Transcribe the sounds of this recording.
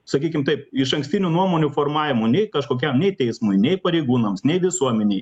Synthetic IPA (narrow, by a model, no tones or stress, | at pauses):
sɐkʲiːkʲɪmt̪ɐɪpɪʃɐŋksʲt̪ʲɪnʲuːnuɔmoːnʲuːfoːrmɑːʋʲɪmuːnʲɛɪkɐʃkoːkʲɛmnʲɛɪt̪ʲɛɪsmʊjnʲɛɪpɐɾʲɛɪɡuːnɐmsnʲɛɪʋʲɪsuɔmʲɛnʲɛɪ